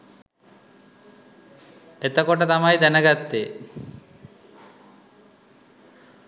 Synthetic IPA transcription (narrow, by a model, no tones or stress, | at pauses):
et̪akɔʈat̪amajd̪ɛnaɡat̪ːe